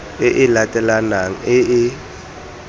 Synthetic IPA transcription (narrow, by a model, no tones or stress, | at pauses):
ɪʔɪlatʼɛlanaŋ̩ɪɪ